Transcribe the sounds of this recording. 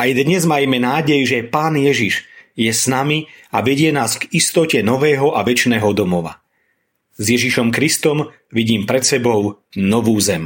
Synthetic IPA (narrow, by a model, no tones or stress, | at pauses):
ajd̪ɲɛzmajmɛnaːɟɛjʒɛpaːnjɛʒiʃjɛsnamiaʋɛɟɪɛnaːsɡist̪ɔcɛnɔʋɛːɦɔʔaʋɛt͡ʃnɛːɦɔd̪ɔmɔʋa̰ | zjɛʒiʃɔmkɾist̪ɔm | ʋiɟiːmpɾɛt̪sɛbɔʊnɔʋuːzɛm